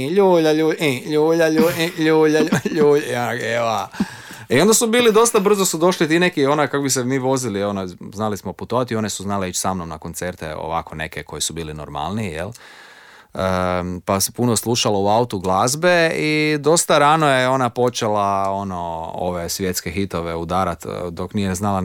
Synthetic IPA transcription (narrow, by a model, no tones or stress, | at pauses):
ʎuːʎaʎuːʎuːʎaʎuʎuːʎaʎuːʎaea | io̞nd̪asubiːlid̪o̞st̪abr̩zo̞sud̪o̞ʃlit̪ine̞kio̞nakakobisemiːʋo̞zilio̞noznalismoput̪oʋat̪io̞ne̞suznaleit͡ʃsamnomna̰kont̪se̞ɾt̪ḛo̰ʋa̰ko̞ne̞̰kekʰo̞jisubiːlino̰ɾma̰lˠniijḛl | əpasepunoslˠuʃalouaut̪uɡlazbe̞id̪o̞st̪aɾano̞jeo̞napo̞t͡ʃe̞lao̞no̞o̰ʋesʋje̞t̪skexit̪o̞ʋeud̪aːɾat̪d̪oknijeznala